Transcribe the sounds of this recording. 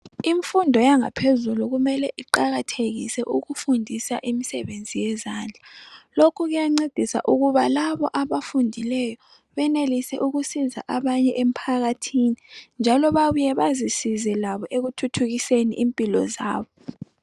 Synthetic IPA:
iɱfundʱɔjaŋa̰pʰezuluɣumɛlɛʔiǃaɣatʰeɣisɛʔuɣufundʱisa̰ʔimisɛ̰βend͡zʱijɛzaːnd͡ɮʱalokʰuɣujaŋ͡ǀed̥ʱisa̰ʔuɣuβalaβɔʔaβafundʱilɛjɔ | βɛnelisɛʔuɣusiza̰ʔaβaɲɛʔem̩pʰaɣatʰinind͡ʒʱalɔβaβujɛβazisizɛlaβɔʔeɣutʰutʰuɣiseniʔimpʼilɔ̰za̰ːβɔ

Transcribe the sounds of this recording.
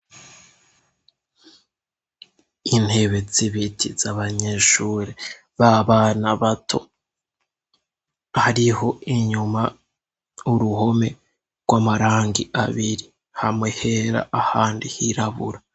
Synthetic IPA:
in̥he̞βe̞ziβitʰizaβaɲe̞ːʃuɾe | βaβanaβatʰo̞̰ | haɾiho̞iɲuma | uɾuho̞me̞ | ɡwamaɾaːŋɡiʔaβiɾi | hamŋe̞he̞ɾa̰ahaːndihiɾaβṵɾa

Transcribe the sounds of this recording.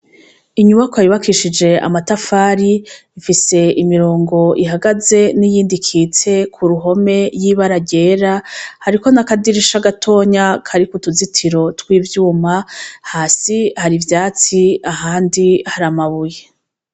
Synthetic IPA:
iɲuβakoajiβakiʃid͡ʒe̞a̰matafaːɾiːfise̞imiɾoːŋɡo̞iɦaɡaze̞nijiːndikʰiːt͡se̞kʰuɾuɦo̞me̞jiβaɾaɟe̞ːɾahaɾiko̞nakadiɾiʃaɡatʰo̞ːɲakʰaɾikutuzitʰiɾo̞twiːvjuːmahaːsihaɾivjaːt͡siaɦaːndihaɾamaβuje̞

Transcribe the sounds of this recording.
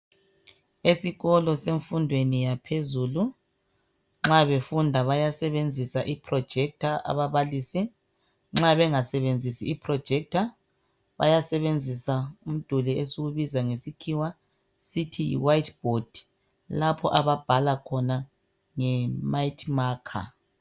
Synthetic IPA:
esiɣɔlɔseɱfundʱwenijapʰezuːlu | ŋ͡ǁaβefundʱaβajasɛβend͡zʱisaʔipʰrɔd̥ʒ̥ʱɛk̚tʰaa̰βaβalisi | ŋ͡ǁaβɛŋasɛβend͡zʱisḭːpʰrɔ̥ʒ̥ʱɛk̚tʰa | βa̰jasɛβend͡zʱisaum̩d̥ʱulɛʔesuwuβizaŋesikʰiwa | sitʰijḭwajtb̥ʱod̥ʱi̥ | lapʰɔ̰ʔaβab̥ʱalakʰɔna | ŋɛmaitʰʼmaːkʰa̰

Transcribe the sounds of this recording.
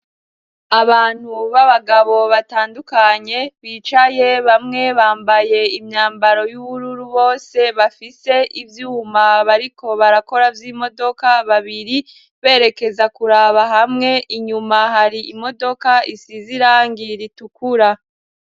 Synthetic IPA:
aβaːn̥huβaβaɡaβo̞βataːndukaɲe̞βiːt͡ʃaje̞βamŋe̞βaːmbaje̞imɲaːmbaɾo̞juβuɾuɾuβo̞ːse̞βafise̞ʔivjuːmaβaɾiko̞βaɾako̞ɾavjiːmo̞do̞kaβaβiɾi | βe̞ːɾe̞ke̞zakuɾaβaɦamŋe̞ʔiɲumaɦaɾiimo̞do̞kaisiziɾaːŋɡiɾitukuɾa

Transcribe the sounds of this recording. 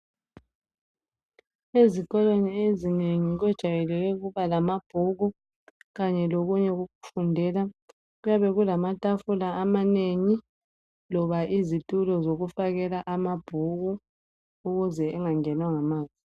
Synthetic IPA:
ezikʼɔloniezineŋiɣwɛd̥ʒ̥ʱajɛlɛɣɛɣuβalamab̥ʱuɣu | ɣaɲɛloɣuɲɛɣuɣufundʱɛla | ɣujaβɛɣulamatʼafulaʔːmaneŋi | lɔβaʔizitʼulɔzoɣufaɣɛlaʔamab̥ʱuɣu | uɣuzɛːŋaŋɛnwaŋamaːzi

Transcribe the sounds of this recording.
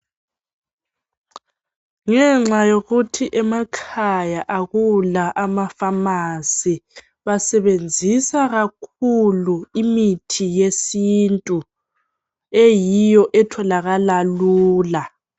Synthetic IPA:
ŋɛŋ͡ǁajoɣutʰiʔɛmakʰajaʔaɣulaʔamafamasi | βasɛβend͡zʱisaɣakʰuluimitʰijesintʼu | ejijɔʔɛtʰɔlaɣalaluːla

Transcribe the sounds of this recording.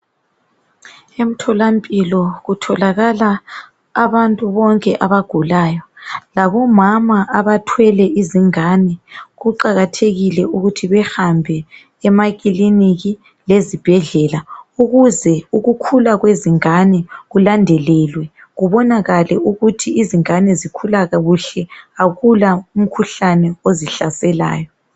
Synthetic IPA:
em̩tʰɔlampʼilɔɣutʰɔlaɣalaː | βantʼuβɔŋkʼɛʔaβaɡ̥ʱulaːjɔlaβɔmamaʔaβatʰwɛlɛiziŋanɛɣuǃaɣatʰeɣilɛuɣutʰiβɛxambʱɛː | maɣʼiliniɣi | lezib̥ʱɛɮɛlauɣuzɛuɣukʰulaɣweziŋanɛɣulandʱɛlɛlwɛ | ɣuβɔnaɣalɛuɣutʰiiziŋanɛzikʰulaɣaɣuɬɛaɣulaum̩kʰuɬanɛoziɬasɛla̰ːjɔ

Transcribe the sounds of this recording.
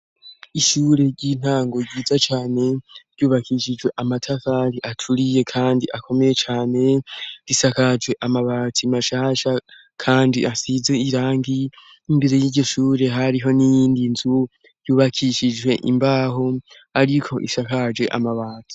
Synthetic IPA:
iʃuːɾe̞ɾɟiːn̥haːŋɡo̞ɟiːd͡zat͡ʃaːne̞ɾɟuːβakʰiʃid͡ʒwe̞ʔamatʰafaɾiʔatʰuɾije̞kʰaːndiʔakʰo̞me̞je̞t͡ʃaːne̞ɾisakad͡ʒɡwe̞ʔamaβaːtʰimaʃaːʃa | kʰaːndiʔasizeiɾaːŋɡi | imbe̞ɾe̞jiːɾɟo̞ʃuːɾe̞ɦaɾiɦo̞nijiːndinzu | ɾjuːβakʰiʃid͡ʒwe̞ʔḭmbaːɦo̞ | aɾikʰo̞ʔḭsakad͡ʒwe̞ʔa̰maβaːtʰi̥

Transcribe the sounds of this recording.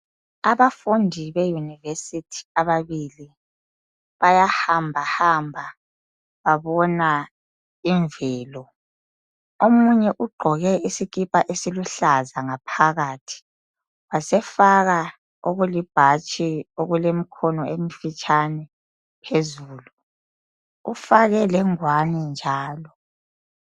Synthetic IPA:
aβafundʱiβejunivesitʰi̥aβaβili | βajahambʱahambʱa | βaβɔna | iɱvɛːlɔ | omuɲɛʔuɡ͡ǃʱɔɣɛisiɣipʼaʔesiluɬazaŋapʰaɣaːtʰi̥ | wasɛfaɣa | oɣulib̥ʱat͡ʃʼioɣulem̩kʰɔnɔemifit͡ʃʼʰanɛ | pʰezuːlu | ufaɣɛlɛŋwanɛnd͡ʒʱaːlɔ

